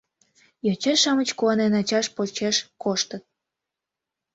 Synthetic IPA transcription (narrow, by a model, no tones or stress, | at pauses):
jɑt͡ɕeʃɑmət͡ɕkuɑnenɑt͡ɕɑʃpot͡ɕeʃkoʃt̪ət̪̚